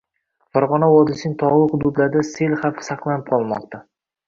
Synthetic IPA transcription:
faɾʁɒnawɒd̪ɪsɪnɪŋt̪ʰɒʁlˠɨχʊd̪ʊd̪laɾd̪aselχafɪ̥sɑqlˠanɪp̚qʰɒlˠmɒ̰qt̪ʰa

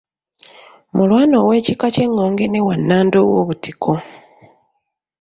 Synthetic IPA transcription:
mulwaːnowe̞ːcikace̞ŋːo̞ːŋɡe̞newanːaːndowo̰βutikʰo̞

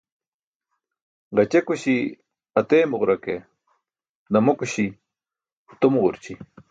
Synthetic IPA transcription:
ʁɐt͡ɕekuɕi | ɐt̪eːmuʁɾɐke | d̪ɐmokuɕi | t̪omʁuɾt͡ɕi

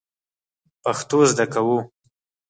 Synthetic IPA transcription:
paxt̪ozd̪akawu

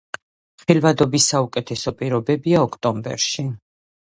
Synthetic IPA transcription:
χilvad̪ɔbisaukʼɛt̪ʰɛsɔpʼiɾɔbɛbiaɔkʰt̪ʼɔmbɛ̰ɾʃi

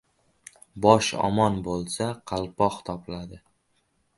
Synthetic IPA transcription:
bɒʃɒ̰mɒnbolˠsaqʰɑlˠpɒqt̪ʰɒplad̪ɪ

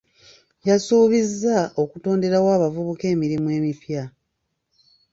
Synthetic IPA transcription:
jasuːβizːao̞kuto̞ːnde̞ɾawaːβavuβuke̞ːmiɾimwe̞ːmifja

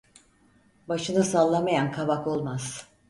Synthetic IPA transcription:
baʃɯnasalˠːamajankʰaβako̞lˠmaz̥

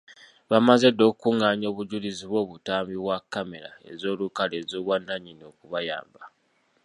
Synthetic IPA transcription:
βamaze̞dːo̞ːkukuŋaːɲo̞ːβuɟuliziβwo̞ːβutaːmbiβwakːame̞ɾa̰e̞̰zo̞ːlukaleːzoːβwanːaɲino̞kuβaja̰ːmba

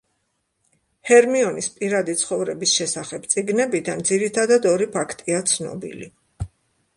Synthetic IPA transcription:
hɛɾmiɔnispʼiɾad̪it̪sʰχɔvɾɛbisʃɛsaχɛb̥t̪sʼiɡnɛbid̪and̪ziɾit̪ʰad̪ad̪ɔɾipʰakʰt̪ʼiat̪sʰnɔ̰bḭli

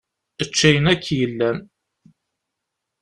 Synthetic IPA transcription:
ət͡ʃːæjənækːjəlːæn

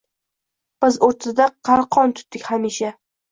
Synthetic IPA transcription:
b̥ɪzoɾt̪ʰad̪aqʰɑɾqʰɒnt̪ʰʊ̥t̪̚d̪ɪkʲhamiʃa

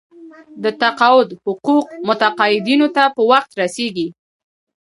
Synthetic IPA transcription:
d̪ət̪aqɑwʊd̪hʊquqmʊt̪aqɑjɪd̪inot̪apəwaxt̪ɾaseɡi

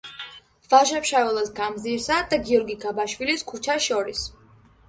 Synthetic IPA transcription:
vaʒapʃavɛlˠasɡamziɾsad̪aɡiɔɾɡiɡabaʃwiliskʰut͡ʃʰaʃɔɾis

